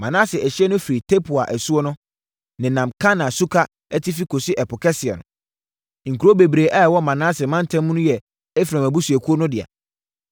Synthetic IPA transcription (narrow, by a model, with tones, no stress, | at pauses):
mã˨nãː˦sɪ˨æ˨ɕi˦ɛ˦nʊ̃˦fi˨ɾi˨tʰe˦pʰʊ˨a̰˨ʔɛ˨su˦ɔ˦nʊ̃˦ | nɪ̃˨nã˨mkʰa˦nã˨su˦kʰa˦ | ɛ˦tʰɪ˦fi˦kʰo˨si˦ʔɛ˨pʊ˨kʰɛ˦sɪ˨ɛ̰˨nʊ̰̃˨ | ŋ̩˨kʰu˨ɾo˦be˨bɾe˨ʔɛ˦˨wɔ˦mã˨nãː˦sɪ˨mã˦n˦tʰã˦mũ˦nʊ̃˦jɛ˨ | ɛ˦fiɾã˨mæ˨bu˦su˨æ˨kʰu˦o˦nʊ̃˦dɪ˨a̰˨